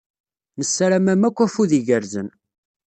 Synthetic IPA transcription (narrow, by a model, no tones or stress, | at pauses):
nəsːaɾæmæmækʷːæfuðiʝəɾzən